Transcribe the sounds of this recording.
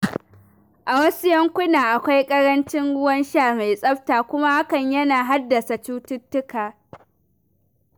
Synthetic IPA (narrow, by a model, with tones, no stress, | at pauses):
ʔa˨wɐ˦sʊ˦jɐ˦ŋkʷʊ˦naː˨ʔa˨kʷa˦jkʼɐ˦ɾɐ˦nt͡ʃɪ˦ŋɽʊ˦wɐ˦nʃaː˦˨ma˨jsʼɐ˦ɸtaː˨kʷʊ˦ma˦ha˦kɐ˨ɲjɐ˦naː˨ɦa˦dːɐ˨sa˨t͡ʃuː˦tʊ˦tːʊ˦kaː˨